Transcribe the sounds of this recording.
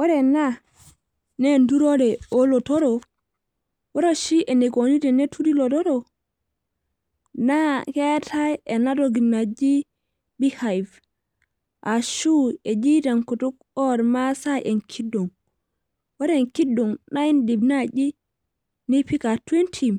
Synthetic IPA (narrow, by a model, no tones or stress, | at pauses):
wɔɾɛna | nɛnduɾɔɾɛɔlɔtɔɾɔ | wɔɾɔʃiʔɛnɛɡonidɛnɛtʰudilɔtɔɾɔ | nakɛtʰajɛnadɔɡinad͡ʒi | bihajf | ʔaʃuɛd͡ʒidaŋkɔtɔk | ɔɾmasajʔɛnkʰidɔŋ | wɔɾɛnkidːɔnnaindibnad͡ʒi | nipikatwentʰim